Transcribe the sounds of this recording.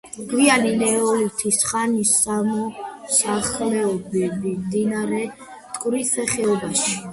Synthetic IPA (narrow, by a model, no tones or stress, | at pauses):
ɡ̥vianilɛɔlut̪ʰisχanisamɔsaχlɛɔbɛbimd̪inaɾɛ | t̪ʼkʼɾisɛχɛɔbaʃi̥